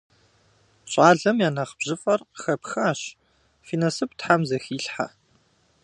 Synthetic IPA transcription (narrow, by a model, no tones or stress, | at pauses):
ɕʼaːɮɐmjaːnɐχb̥ʑɪfʼɐrxɐpxɐːɕ | fiːnɐsɨptħamzɐxiːɬħa̰